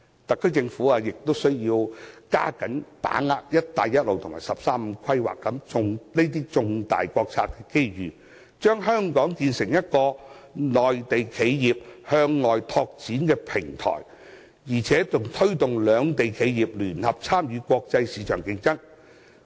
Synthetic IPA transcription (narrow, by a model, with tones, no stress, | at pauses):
t̪ɐ˨kʰːɵ˥kt͡sɪ˧ŋfuː˨˥aː˨˧jɪ˨k̚t̪o˥wsɵ˥ɥjiː˧wka̰ː˥kɐ˨˥npa̰ː˨˥ŋa̰ː˧˥k̚jɐ˥t̚t̪aː˨jɐ˥t̚lo˨wt̪ʰʊ˨˩ŋmaː˨˩jsɐ˨p̚saː˥m̩˨˧kʰɐ˥jwa̰ː˨˩kːɐ˨˥mt͡sʊ˧ŋne˥jt̪̬iː˥t͡sʊ˧ŋt̪a̰ː˨˩jkʷɔː˧k̚t͡sʰa̰ː˧˥t̚kɛː˧ke˥jɥyː˨ | t͡ʃœː˥ŋɦœː˥ŋkɔː˨˥ŋkiː˧nsɪ˨˩ŋjɐ˥t̚kɔː˧lɔː˨˩jt̪e˨jkʰe˨˧jjiː˨p̚hœː˧ŋlɔː˨jt̪ʰɔː˧k̚t͡siː˨˥nkɛː˧pʰɪ˨˩ŋt̪ʰɔ̰ː˨˩j | jiː˨˩t͡sʰɛː˨˥t͡sʊ˨ŋt̪ʰɵ˥ɥt̪ʊ˨ŋlœː˨˧ŋt̪e˨jkʰe˨˧jjiː˨˩p̚lyː˨˩nhɐ˨p̚t͡sʰaː˥mjyː˨˧kʷɔː˧k̚t͡sɐ˧jsiː˨˧t͡ʃʰœ̰ː˨˩ŋkɪ˧ŋt͡sɐ˥ŋ